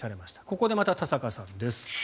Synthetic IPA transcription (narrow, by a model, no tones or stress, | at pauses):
saɾe̞maɕi̥t̪ḁko̞ko̞d̪e̞mat̪at̪asakasãnd̪e̞sɨ̥